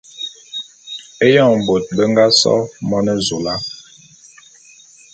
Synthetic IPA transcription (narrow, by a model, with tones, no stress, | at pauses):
e˦jɔ˦˨m˨bo˨t̚bə˦ŋ˦ɡa˦sɔ̰˦mɔ˦nɛ˦zo˨la˦